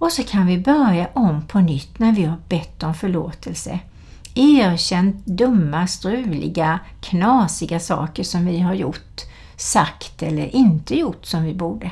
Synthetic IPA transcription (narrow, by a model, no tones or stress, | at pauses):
ɔsɔkʰanvɪbœɾjaʔɔmpʰɔnʏt̪ːnæɾvɪhaɾbɛt̪ːɔmfœɭoːt̪ʰəlsə̰ | eːæɾɕɛnt̪d̪ɵmːast̪ɾʉ̟ːlɪ̰ɡakʰnɑːsɪɡasɑ̰ːkəʂɔmvɪɦaɾjʊʈː | sakt̪ɛlːəɾʔɪnt̪əjʊʈːsɔmvɪbuːɖə